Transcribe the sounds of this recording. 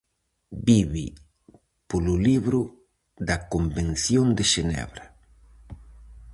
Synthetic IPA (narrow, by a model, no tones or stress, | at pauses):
biβi | polʊliβɾʊ | d̪ɐkombẽnθjond̪ɪʃenɛ̰βɾɐ